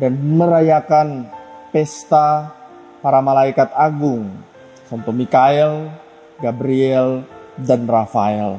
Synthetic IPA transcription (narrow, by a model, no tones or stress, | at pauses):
danməɾajakanpɛst̪a | paɾamalaikat̪aɡʊŋ | sɔnt̪ɔmikaɛl | ɡabɾiɛldanrafaɛl